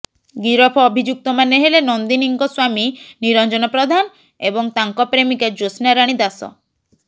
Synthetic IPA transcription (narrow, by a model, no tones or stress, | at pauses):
ɡiɾɔpʰɔːbʱid͡ʒuk̚t̪ɔmaneɦelenɔnd̪iniŋkɔswaminiɾɔnd͡ʒɔnɔpɾɔd̪ʱan | ebɔŋt̪aŋkɔpɾemiked͡ʒosnaɾaɽ̃id̪asɔ̰